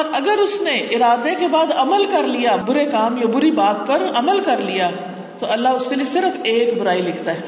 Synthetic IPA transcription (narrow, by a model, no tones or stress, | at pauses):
ɔːɾɐɡəɾʊsneʔɪɾaːd̪ekebaːd̪ɐməlkɐɾlijabʊɾekaːmjabʊɾibaːt̪̚pɐɾɐməlkɐɾlija | t̪oɐlːaɦʊskeliesɪɾəfeːkbʊɾaːilɪkʰt̪aɦɛː